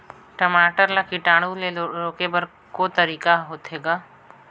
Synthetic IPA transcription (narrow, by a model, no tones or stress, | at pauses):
ʈɐmaːʈəɾlakiʈaːɽ̃uleoɾoːkebɐɾ | kot̪əɾiːkaɦoːt̪ɦeːɡaː